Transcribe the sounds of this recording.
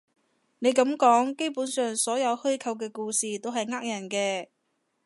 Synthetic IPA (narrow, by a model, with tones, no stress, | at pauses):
ne˨˧jkɐ˨˥mkɔː˨˥ŋke˥jpuː˨˥nsœː˨ŋsɔː˨˥jɐ˨˧whɵ˥ɥkʰɐ˧wk̬ɛː˧kuː˧siː˨˩t̪o˥wɦɐ˨jŋaː˥k̚jɐ˨˩nkɛː˧